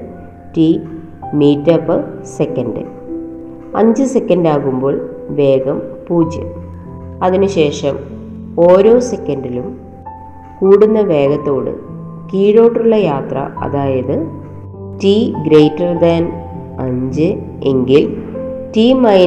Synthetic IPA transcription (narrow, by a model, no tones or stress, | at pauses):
ti | miːtːɐpːɨsekːɐnɖɨ̰ | ɐ̰ɲd͡ʑɨsekːɐnɖaːɣumbo̞ːɭʋe̞ːɣɐmpuːd͡ʑjɐ̰ | ɐðinɨɕe̞ːʂɐm | o̞ːɾo̞ːse̞kːɐnɖilum | kuːɽunːɐʋe̞ːɣɐt̪ːo̞ːɽɨ̰ | kiːɻo̞ːʈːuɭːɐjaːt̪rɐ̰ʔɐ̰ðaːjɐðɨ | tiɡɾejtːɐrd̪ɐn | ɐɲd͡ʑɨ | e̞ŋɡiltimɐj